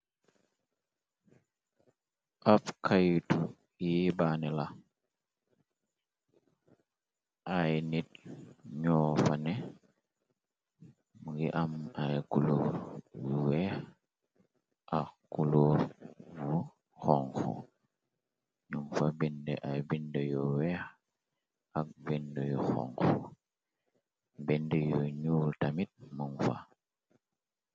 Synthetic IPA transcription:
ʔafkʰajtu | ibanɛla | ʔajnit̚ɲɔːfane | muɡiʔamakuloɾuwɛ | ʔaxkuluːɾvu | xoŋxo̰ | ɲuŋfabindeʔajbindejɔwex | ak̚bendejoxo̰ŋxo | bendejoɲuːltamit̚muŋfa̰

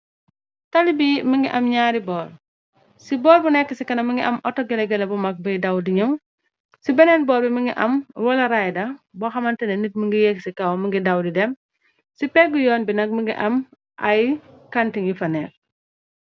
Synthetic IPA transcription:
tɐlibiməŋɡiʔɐmɲaːɾibɔːɾ | sibɔːɾbunɛkːəsikɐnɐməŋɡiʔɐmʔɔtːɔɡɛlɐɡɛlɐbumɐk̚bɐjdɐwdiɲɐw | sibɛnɛnbɔːɾbiməŋɡḭʔɐ̰mwɐlɐɾajdɐbɔxɐmɐntɐnɐnit̚məŋɡijɛkːsikɐwməŋɡidɐwdidɛm | sipɛɡujɔːnbinɐk̚məŋɡḭʔɐm | ʔɐjkantiŋjifɐnɛk

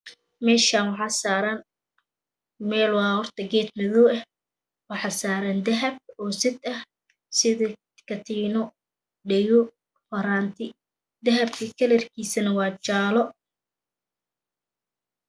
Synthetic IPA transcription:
mɛːʃaːnwɑħɑːsaːɾaːn | mɛːlwɑːhɔrt̪ʰɐɡɛːd̪mɪðɔːɛ | wɑħɑːsaːɾand̪ɐɦɐb̚ɔːsɪd̪ɐh | sɪðɐ | kʰɐt̪ʰiːnɔ | ɖɛjɔ | fɐɾaːnt̪ʰɪ | d̪ɐɦɐbkʰɐkʰɐlɛrkʰiːsɐnɐwɑːt͡ʃaːlɔ

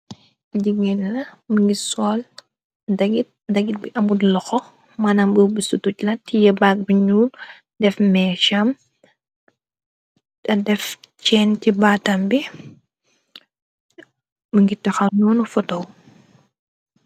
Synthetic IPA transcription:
iɟiɡɛnnɐməŋɡisɔːl | dɐɡit̚dɐɡit̚biʔɐmudlɔxɔ | maːnambubisutuclɐtijɛbaːk̚biɲuːl | dɛfmɛːʃam | dɐdɛft͡ʃɛːntibaːtɐmbi | mɐŋɡitɐxɐnɔːnufɔtɔw

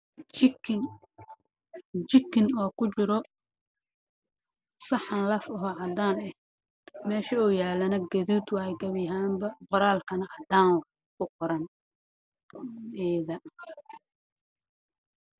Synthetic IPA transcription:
t͡ʃ | t͡ʃɪkːɪnɔːkʰʊt͡ʃɪɾɔ | sɑħɑnlɐfɔɦɔʕɑd̪aːnɛh | mɛːʃɐɔːjaːlɐnɐɡɐðuːd̪wɑhɛjɡɐβɪɦaːmbɐqɔɾaːlkʰɐnɐhɐd̪aːnw | kʰʊqɔɾɐn | ɛːðɐ

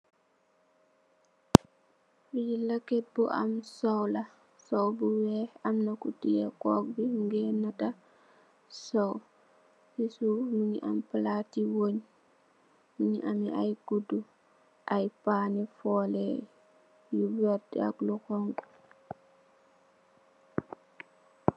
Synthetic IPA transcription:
ijilakɛt̚buʔa̰msɔwla | sɔwbuwɛamnakutijɛkɔk̚biŋɡɛnata | sɔw | isumuɲiʔamplatiwoɲ | muɲiʔamiajɡudːu | ʔajpanifɔlɛ | jubɛɾdḭa̰klukɔŋku̥

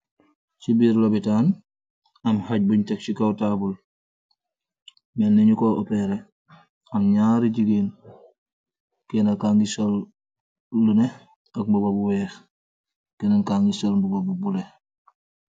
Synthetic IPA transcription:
sibiɾlobitaːn | ɐmhaɟ̚buɲtek̚sikawtaːbul | menːeɲukoʔopeɾe | ɐmɲaːɾiɟiɡen | kenakaŋɡisolː | une | ɐk̚mbubobuwɛːx | kenaŋkaːŋisɐlbuɡobubule

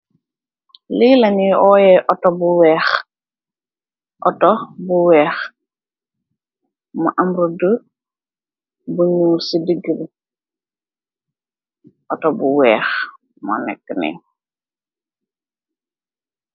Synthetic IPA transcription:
liːlaniɔːjɛʔɔtɔbuwɛːx | ʔɔtɔbuwɛːx | mɔʔamɾudə | buɲuːsidiɡiɾ | ɔtɔbuwɛːx | mɔ̰nɛ̰kːənḭ

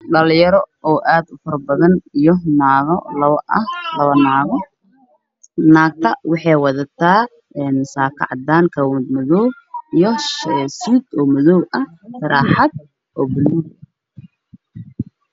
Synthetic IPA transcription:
ɖɐljɐɾɔɔːʔaːd̪ʊfɐɾɐbɐðɐnijɔnaːɣɔlɐlɐβɐnaːɣ | naːɡ̚t̪ʰɐwɑħɑjwɑðɐt̪ʰaː | ɛːnsaːkʰɐ̰ʕɑd̪aːŋkʰɐwd̪mʊðɔːw | ijɔsuːd̪ɔːmɔðɔwɐhʰ | ɐɾaːħɑd̪̚ | ʔɔːbʊlmɔ

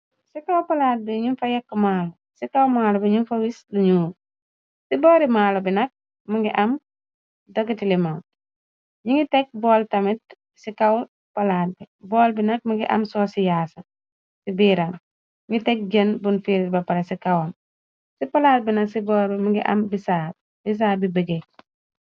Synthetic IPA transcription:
sikawpɐlaːt̚bɛɲinfɐjɐkːmaːlɔ | sikawmaːlɔbɛɲunfɐwisliɲuː | siboːɾimaːlɔbinɐk̚ | muŋɡiʔɐm | doɡitilimam | ɲiŋitɛk̚bɔːltɐmit̚ | sikaw | palaːt̚bi | bɔːlbinɐk̚maŋɡiʔɐ̰msɔːsijaːsɐ | sibiːɾan | ɲŋɡitek̚d͡ʒɐnbunfiɾit̚bɐpalesikawon | sipalaːt̚binɐksibɔːɾbɛmuŋɡiʔɐ̰mbisaː | bis̬aːbibəɡe

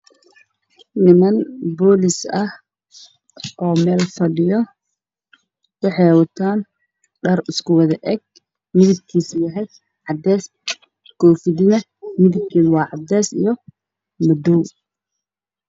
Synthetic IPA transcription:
nɪmɐnbɔːlɪsɐh | ʔɔːmɛːlfɐɖɪjɔ | wɑħɑjhawɐt̪ʰaːn | ɖɐrʊskʰʊwɐðɐʔɛɡ̚ | mɪðɪb̚kʰiːsjɐɦɛj | ʕɑd̪ɛːs | kʰɔːfɪðɪnɐ | mɪðɪb̚kʰiːwɑːʕɑd̪ɛːsḭjɔ | mɐd̪ɔw

